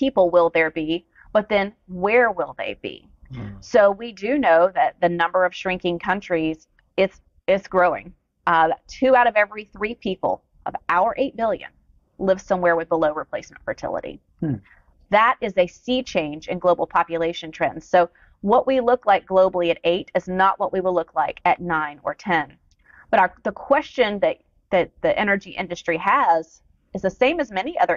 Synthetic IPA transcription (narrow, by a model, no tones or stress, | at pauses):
pʰipl̩ˠwɪlˠðə˞bi | b̥ʌt̪̚ðɨ̃n | wə˞wɪlˠðḛɪbḭ | soʊwidɨnoʊðɨt̪̚ðɨnʌ̃mbə˞ʌv̥ʃɹɪ̃ŋkɪ̃ŋkʰʌ̃nt͡ʃɹ̥iz | ɪz̥ | ɪzɡ̥ɹoʊɪ̰̃ŋ | tʰʉaʊɾʌvɛvɹiθɹipʰipl̩ˠ | ʔʌ̰vaʊə˞ʔeɪt̚b̥ɪlˠjɨ̰̃n | lɪvz̥sʌ̃mwɛɹwɨðbəloʊɹɨpʰl̥eɪsm̃ntfə̰˞tʰɪ̰lˠə̰ɾḭ | ðəɾʔɨzɨsit͡ʃʰẽɪ̃nd͡ʒɨ̰̃nɡloʊbl̩ˠpʰɑpjɨleɪʃɨ̃ntʰɹ̥ɛ̰̃ndz̥soʊ | wʌʔwʔilʊklaɪk̚ɡ̥loʊbl̩ˠiɨɾeɪɾɨznəʔwʔʌʔwiwəlʊkʰlaɪkʰɨtⁿnãɪ̃nə̰˞tʰɛ̃n | b̥ʌɾaə˞ðəkʰw̥ɛst͡ʃɨ̃nðɨɾ | ðɨt̪̚ðiʔɛ̰nə˞d͡ʒiʔɪ̰̃ndɨstɹ̥iəz̥ | ɨzðɨsẽɪ̃mɨzmɛniʔʌðə˞